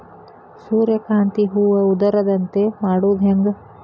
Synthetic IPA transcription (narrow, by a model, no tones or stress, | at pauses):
suːɾjɐkaːnt̪iɦuːʋɐud̪ɐɾɐd̪ɐnt̪emaːɽuːd̪ɦeŋɡɐ